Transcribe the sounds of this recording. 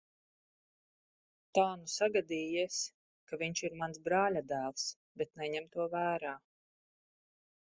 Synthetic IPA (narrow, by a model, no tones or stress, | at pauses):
t̪aːnusaɡad̪iːjiɛs | kaviɲʃiɾmansbɾaːlʲad̪æːlˠs | bɛt̪nɛɲɛmt̪uɔvæːɾaː